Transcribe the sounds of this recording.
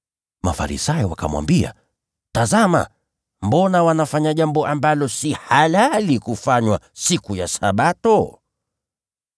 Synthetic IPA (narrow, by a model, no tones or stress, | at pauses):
mafa̰ɾḭsajɔwaka̰mwa̰mbia̰ | tazama̰ | mbɔnawanafaɲaʄambɔʔambalɔsihalalikufaɲwasikujasa̰ɓatɔ